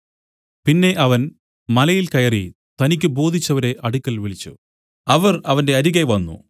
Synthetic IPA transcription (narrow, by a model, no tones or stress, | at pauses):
pinːe̞ʔɐʋɐn | mɐlɐjilkɐjɐri | t̪ɐnikʲːɨbo̞ːd̪ʱit͡ɕːɐʋɐɾe̞ʔɐɽukʲːɐlʋiɭit͡ɕːṵ | ɐʋɐrɐʋɐnde̞ɐɾiɣɐʋɐnːṵ